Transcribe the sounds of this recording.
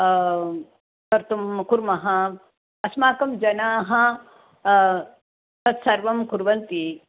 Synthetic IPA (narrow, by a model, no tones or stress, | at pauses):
kɐɾt̪umkuɾmɐɦɐ | ɐsmaːkɐmd͡ʒɐnaːɦɐ | t̪ɐt̪sɐɾʋɐmkuɾʋɐnt̪i